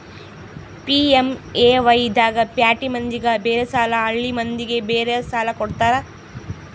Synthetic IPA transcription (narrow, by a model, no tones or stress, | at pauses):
piemeːʋɐjid̪aːɡɐpjaːʈimɐnd̪iɡɐbeːɾesaːlɐɐɭːimɐnd̪iɡe̞beːɾesaːlɐkɔɽt̪aːɾɐ